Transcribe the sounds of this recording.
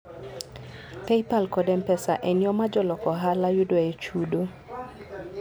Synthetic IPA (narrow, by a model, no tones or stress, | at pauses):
pɛjpalkɔdɛmpɛsaʔɛnjɔmad͡ʒɔlɔkɔɦalajudoet͡ʃudo